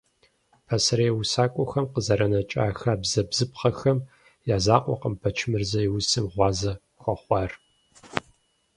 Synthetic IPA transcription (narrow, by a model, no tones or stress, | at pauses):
pʰɐsɐɾeːwʊsaːkʷʼɔxɐmqəzɐɾɐnɐt͡ʃʼaːxaːbzɐbz̥ɨpχɐxɐm | jaːzaːqʷʼɔ̰qəmpʰɐt͡ʃʰɪmɨrzɐjiwʊsɨmʁʷɑːzɐ | xʷɔχʷɑːr